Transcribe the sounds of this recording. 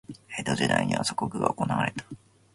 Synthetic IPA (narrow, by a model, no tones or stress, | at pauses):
e̞ːd̪o̞ʑid̪aiɲ̟iβaso̥kokɯ̟ɡa̰oko̞naβaɾe̞t̪ḁ